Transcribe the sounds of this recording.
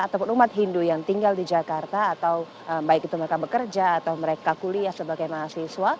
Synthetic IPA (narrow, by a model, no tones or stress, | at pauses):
at̪apʊnumat̪̚ɦindujaŋt̪iŋɡaldid͡ʒakart̪aːt̪aw | əmbaɪkit̪uməɾekabəkərd͡ʒaːt̪awməɾekakuliahsəbaɡajmaɦasiswa